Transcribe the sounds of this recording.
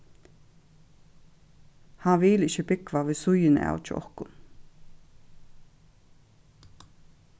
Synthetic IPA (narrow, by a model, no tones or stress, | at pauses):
hanʋɪlɪçəbɪkʋaʋɪsʊjɪn̰a̰wt͡ʃɪ̰ʔɔ̰hkʊn